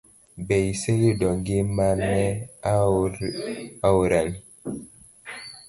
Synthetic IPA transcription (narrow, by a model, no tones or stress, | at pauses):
bɛjseɣidɔŋɡimanːɛ | auɾaŋ